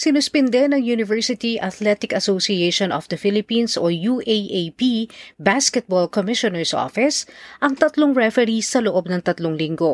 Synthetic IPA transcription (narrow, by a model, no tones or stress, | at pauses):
sɪnʊspɛnd̪ɛnɐŋjunɪvɛɹsɪt̪iʔɐt̪lɛt̪ɪkɐsosiejʃonɔfd̪ɐfɪlɪpinsojuːʔejʔejpibaskɛt̪̚bolkomɪʃonɛɹsʔo̰fɪsʔɐŋt̪ɐt̪loŋɹɛfɛɾisːɐloʔob̚nɐŋt̪ɐt̪loŋlɪŋɡo̞